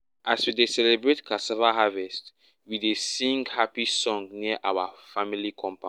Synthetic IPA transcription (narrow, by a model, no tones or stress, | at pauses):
ʔaswidesɛlɛbɹetkʰasɛvaɦavɛst | widesĩŋɡhapisɔ̃ŋniəʔawafamilikʰɔ̃mpã